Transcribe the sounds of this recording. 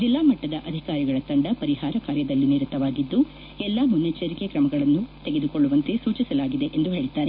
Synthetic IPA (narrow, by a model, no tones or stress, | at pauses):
d͡ʒilːaːmɐʈːɐd̪ɐʔɐd̪ʱikaːɾiɡɐɭɐt̪ɐɳɖɐpɐɾihaːɾɐkaːɾjɐd̪ɐlːiniɾut̪ːɐʋaːɡid̪ːu | ɛlːaːmunːɐt͡ʃɐɾikekɾɐmɐɡɐɭɐnːut̪eɡed̪uko̞ɭːuʋɐnt̪e̞suːt͡ʃisɐlaːɡid̪e̞ʔend̪uɦeːɭid̪ːaːɾe